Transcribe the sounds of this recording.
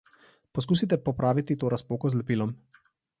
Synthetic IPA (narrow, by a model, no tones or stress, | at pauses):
pɔs̬kuːsit̪̬ɛpɔpɾaːʋit̪it̪oːɾaspoːkɔzlɛpiːlɔm